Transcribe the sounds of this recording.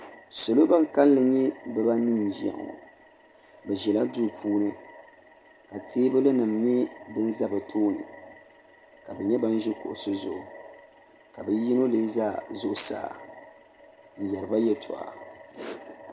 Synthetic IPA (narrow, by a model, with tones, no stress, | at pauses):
so˨lo˦ba˦ŋ˨ka˦llɨ˨ɲɛ˦bɛ˦ba˦niː˦˨n˨ʒa̰˨ŋo̰˨ | bɛ˨ʒɛ˨la˦du˦ɾpʰuː˦nɨ˦ | ka˨tʰeː˦bɨ˦lɨ˦nɨ˨mɲɛ˦bɨ˦n˦za˦bɨ˨tʰoː˦nɨ̰˨ | ka˨bɛ˨ɲɛ˦ba˦n˦ʒɪ˦kʊ̰˨ʔʊ˨sʊ˦zʊ˨ʔʊ˨ | ka˨bɛ˦ji˦no˦le˦zaː˦˨zʊ˦ʔʊ˨sa̰ː˦˨ | n̩˨jɛ˨ɾɨ˨ba˦jɛ˦tʰɔ̰˨ʔa̰˨